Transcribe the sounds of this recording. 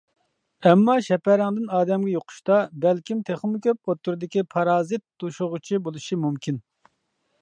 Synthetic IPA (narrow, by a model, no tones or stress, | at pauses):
ɛmːɑʃɛpɛɾɛŋd̪ɨnɑːd̪ɛmɡʲɛjoqʰʊ̥ʃt̪ɑbɛlkʲimt̪ʰeχmukʲøp̚ot̪ʰːuɾɨd̪ɪkʲipʰɑɾɑːzɨt̪̚d̪uʃʊʁʊt͡ʃʰibolˠuʃimumkʲʰin